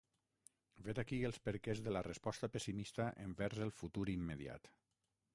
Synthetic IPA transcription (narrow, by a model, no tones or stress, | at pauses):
vet̪akielˠspəɾkezðələrəspɔst̪apəsimist̪aʔeɱbɛɾzəlˠfut̪uɾimːeəðja̰t̪